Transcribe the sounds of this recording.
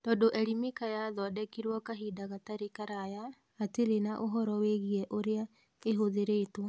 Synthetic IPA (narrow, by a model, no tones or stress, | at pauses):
tɔːdoʔɛɾimikajaðɔdɛkiɾwɔkaɦidaɣataɾekaɾajaː | teɾenaʔoɦɔɾɔweɣiɛʔoɾea | eɦoðeɾeto